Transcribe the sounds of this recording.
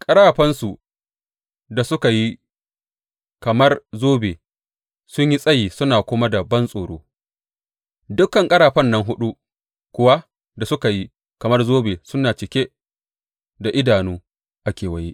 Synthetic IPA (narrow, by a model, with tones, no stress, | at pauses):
kʼɐ˦ɾaː˨ɸɐ˦nsu˨ | da˨sʊ˦ka˨ji˦ | kɐ˨mɐ˦rzoː˦beː˨ | sʊ˦ɲji˦sʼɐ˦jiː˨sʊ˦naː˨kʷʊ˦ma˦dɐ˨bɐ˦nsʼoː˨ɽo̰ː˦ | dʊ˦kːɐ˨ŋkʼɐ˦ɽaː˨ɸɐ˦nːɐ˦ŋɦʊ˦ɗu˦ | kʷʊ˦wa˦ | da˨sʊ˦ka˨ji˦ | kɐ˨mɐ˦rzoː˦beː˨sʊ˦nːaː˨t͡ʃɪ˨kʲeː˦ | da˨ʔɪ˦daː˨nuː˦ | ʔa˦kʲeː˨wɐ˨ji˦ʔ